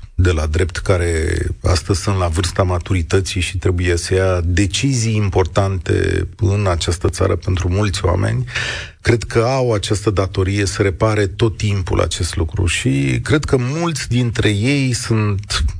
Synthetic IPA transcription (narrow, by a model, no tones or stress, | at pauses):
d̪e̞lad̪ɾe̞p̚t̪kaɾe̞a̰st̪əzʲsunt̪lavɨrst̪amat̪uɾit̪ət̪siʃit̪ɾe̞buje̞səjad̪e̞t͡ʃizijːmpo̞rt̪ant̪e̞̰ɨnat͡ʃast̪ət̪sa̰ɾəpe̞nt̪ɾumult̪sʲoa̰me̞̰nʲ | kɾe̞d̪kʰəawat͡ʃast̪əd̪at̪o̞ɾije̞səɾe̞paɾet̪o̞t̪ːimpṵlʔa̰t͡ʃe̞st̪lukɾṵʃikɾe̞d̪kəmult̪sʲd̪int̪ɾe̞je̞jsunt̪